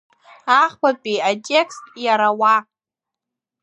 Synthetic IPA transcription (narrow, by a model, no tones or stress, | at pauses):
aχkʷapʼijatʼekstʼjaɾawa